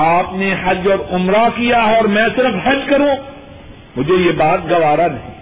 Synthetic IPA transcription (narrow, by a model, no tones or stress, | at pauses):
aːpnehɐd͡ʒɔːɾʊmɾakijaɔːɾmɛ̃ːsɪɾəfhɐd͡ʒkɐɾũː | mʊd͡ʒʱejebaːt̪̚ɡɐʋaːɾanɐɦḭ̃ː